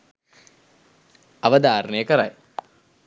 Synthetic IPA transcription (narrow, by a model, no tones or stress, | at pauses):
aʋəd̪aːɾnəjəkəɾa̰j